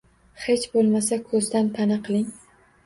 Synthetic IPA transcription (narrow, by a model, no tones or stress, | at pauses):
het͡ʃbolˠmasakʰɵzd̪ant̪ʰanɪqʰɨlˠɪŋ